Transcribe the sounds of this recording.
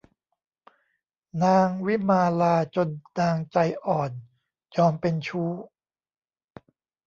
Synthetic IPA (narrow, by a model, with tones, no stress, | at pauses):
naː˧ŋwi˦˥maː˧laː˧t͡ɕo˧nːaː˧ŋt͡ɕa˧jʔɔː˨˩n | jɔː˧mpe˧nt͡ɕʰuː˦˥